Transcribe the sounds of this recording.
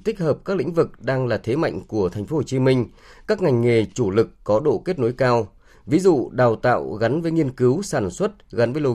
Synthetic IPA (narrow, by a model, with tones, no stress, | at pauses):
t̪i˦˥k̟̚həː˨˩p̚kaː˦˥k̚lḭ˧˥ŋ̟vɨ˨˩k̚ɗaː˧ŋlaː˨˩t̪ʰe˨˦ma̰˧˨jŋ̟ku˧˩ət̪ʰa˨˩ŋ̟fo˨˦ho˨˩t͡ɕi˨˦mï˧ŋ̟ | kaː˦˥k̚ŋa˨˩jŋ̟ŋe˨˩t͡ɕu˧˩lɨ˨˩kːɔ˨˦ɗo̰˧˨ke˦˥t̚no˨˦jkaː˧w | vi˨˦zṵ˧˨ɗaː˨˩wt̪a̰ː˧˨wɣa˨˦nvəː˨˦jŋi˧ənkɨ˨˦wsaː˧˩nswə˦˥t̚ɣa˨˦nvə˨˦jlo˧